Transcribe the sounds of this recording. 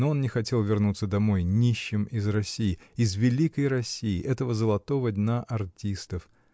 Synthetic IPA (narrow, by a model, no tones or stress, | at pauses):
noo̞nnʲɪxɐtʲe̞lˠvʲɪrnut̪səd̪ɐmojnʲiɕːɪmɪzrɐsʲijɪɪzvʲɪlʲikəjɾɐsʲijɪʔɛt̪əvəzəlˠɐt̪o̞vəd̪ʲnaʔɐrtʲist̪əf